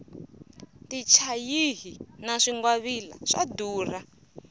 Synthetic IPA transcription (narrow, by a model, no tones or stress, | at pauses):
tit͡ʃʰajiɦinaʂiŋɡwaβila̰ʂa̰duːra